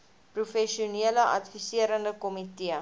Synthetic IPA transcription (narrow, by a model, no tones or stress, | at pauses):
prufɛʃiuniələʔɐtfisiəɾəndəkɔmitiə